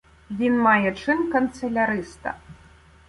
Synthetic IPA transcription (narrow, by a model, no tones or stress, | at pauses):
vʲinmajɛt͡ʂɨnkɐnt̪sɐlʲaɾɨst̪ɐ̰